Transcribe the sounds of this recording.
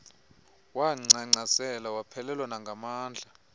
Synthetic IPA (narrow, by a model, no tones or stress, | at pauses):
waŋ͡ǀaŋ͡ǀasɛlawapʰɛlɛlwanaŋɡʱamaːnd͡ɮʱa